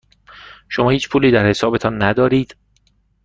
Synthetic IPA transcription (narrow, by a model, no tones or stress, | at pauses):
ʃomɒːhiːt͡ʃpʰuːliːd̪æɾhe̞sɒːbe̞t̪ʰɒːnːæd̪ɒːɾiːd̪̥